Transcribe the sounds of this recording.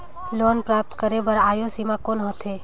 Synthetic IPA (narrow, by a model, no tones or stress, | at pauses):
loːnpɾap̚t̪kəɾebəɾaːjosimakonɦot̪ʰe